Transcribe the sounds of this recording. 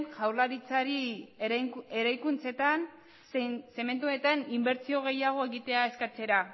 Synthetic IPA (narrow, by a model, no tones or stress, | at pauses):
nxawlaɾit͡saɾi | eɾajkunt͡se̞t̪an | se̞me̞nt̪uone̞t̪animbe̞ɾt͡sio̞ɣ̞e̞jaɣ̞o̞e̞ɣit̪e̞ae̞skat͡se̞ɾa